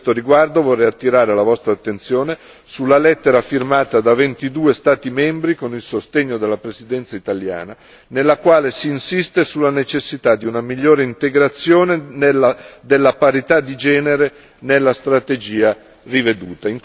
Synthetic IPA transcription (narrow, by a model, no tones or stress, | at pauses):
t̪oɾiɡward̪ovɔrːɛjat̪ːiɾaːɾelavɔst̪ɾaːt̪ːent̪sjoːne | sulːalɛt̪ːeɾafirmaːt̪ad̪avent̪id̪uːest̪aːt̪imɛmbɾikonilsost̪eɲːod̪elːapɾesid̪ɛnt̪sait̪alja̰ːna | nelːakwaːlesiːnsist̪esulːanet͡ʃesːit̪ad̪iunamiʎːoːɾeint̪eɡɾat̪sːjoːnenelːad̪elːapaɾit̪ad̪id͡ʒɛːneɾe | nelːast̪ɾat̪ed͡ʒiːa | rived̪ṵːt̪aiŋ